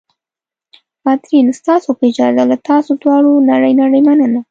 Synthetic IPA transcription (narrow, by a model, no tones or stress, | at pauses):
bat̪ɾinst̪ɑsopəɪd͡ʒɑzalat̪ɑsod̪wɑɽonaɽəjnaɽəjmanəna